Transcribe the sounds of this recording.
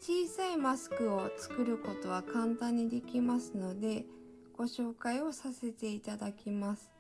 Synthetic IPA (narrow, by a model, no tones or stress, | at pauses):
t͡ɕiːsaimasɨ̥kɯ̟o̞t͡sɨ̥kɯ̟ɾɯ̟ko̞t̪o̞β̞akãnt̪ãɲ̟ːid̪e̞kʲimasɨno̞d̪e̞ | ɡ̥o̞ɕo̞ːkaio̞sase̞t̪e̞it̪ad̪akʲimasɨ̥